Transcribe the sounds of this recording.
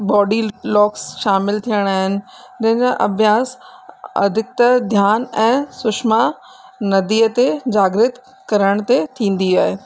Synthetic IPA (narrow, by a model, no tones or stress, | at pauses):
bɔːɖilɔːksʃaːmɪlt̪ʰijəɽ̃aːɦɪnɪ̆ | d͡ʑɐ̃ɦɪ̃ɲd͡ʑãʔɐbʱjaːsɐ̰d̪ʱɪk̚t̪ɐd̪ʱjaːnɛ̃ːsʊʃma | nɐd̪iːət̪ed͡ʑaːɡɾɪt̪ | kɐɾəɽ̃t̪et̪ʰĩːn̆d̪iaːɦeː